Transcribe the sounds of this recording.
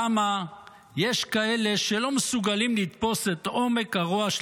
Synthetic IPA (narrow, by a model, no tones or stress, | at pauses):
ama | je̞ʃkae̞leʃelo̞mesuɡalimlit̪po̞set̪o̞me̞kaʁoaʃ